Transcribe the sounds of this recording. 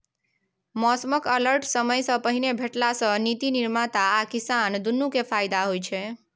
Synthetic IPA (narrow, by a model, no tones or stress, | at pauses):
mɔsməkələɾʈsəməjsəpəɦinebʱeʈlasənit̪iniɾmat̪aːkisand̪unːũkefajd̪aɦojt͡ʃʰe